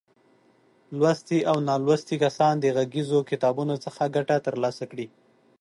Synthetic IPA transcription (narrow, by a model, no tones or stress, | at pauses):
lwast̪iawnɑlwast̪ikasɑnd̪əɣaɡizokɪt̪ɑbunot͡səxaɡaʈat̪əɾlɑsakɽi